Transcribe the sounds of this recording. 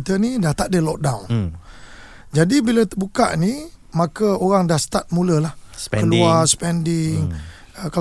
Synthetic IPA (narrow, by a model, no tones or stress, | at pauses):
t̪ənidaht̪aʔdəlɔk̚dawn | d͡ʒadibilət̪əbuka̰ʔni | makəoɣaŋdahst̪at̪̚muləlahkəluaspɛndɪŋ | ka